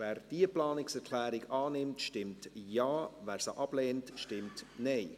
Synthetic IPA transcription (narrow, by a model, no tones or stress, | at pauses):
væːɾd̥iəplɑːnɪksɛɾkʰlæːɾɪɡɑːnɪmtʃtɪmtjaːvæːɾsəʔɑb̥leːntʃtɪmtnɛɪ